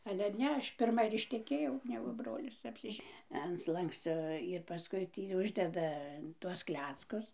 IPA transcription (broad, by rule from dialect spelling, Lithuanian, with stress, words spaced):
ɐlʲɛ ˈnʲɛ ˈɐʃ pʲɪrˈmɐ ɪr ɪʃʲtʲɛˈkʲeːjɛʊ ˈnʲæːɡʊ ˈbroːlʲɪs ɐpʲsʲɪˈʒʲɛ ɐn ˈslˠɐŋksʲt͡sʲoː ɪr pɐˈskʊɪ ˈtʲiː ˈʊʒʲdʲɛdɐ tuɔs ˈklʲæːt͡skʊs